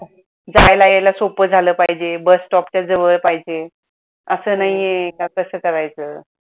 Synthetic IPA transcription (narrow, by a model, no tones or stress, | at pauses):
d͡zajlajalasopəd͡zʱaləːpaɦid͡ʑebəsʈɔpt͡ɕjad͡zəʋəɭpaɦid͡ʑe | əsəːnaɦijekakəsəːkəɾajt͡səː